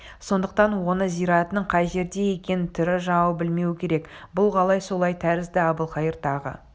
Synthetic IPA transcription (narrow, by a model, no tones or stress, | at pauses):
so̞nd̪əq̚t̪ɑnwo̞nəzijɾɑt̪ənəɴqʰɑjʒe̞ɾd̪e̞je̞kʲe̞nɪt̪ʰʏɾɪʒɑɴɑwbɪlme̞wɪkʲʰe̞ɾe̞kbʊlˠqʰɑlˠɑjso̞lˠɑjt̪ʰæɾɪzd̪ɪɑbəlˠqɑjəɾt̪ɑʁə̰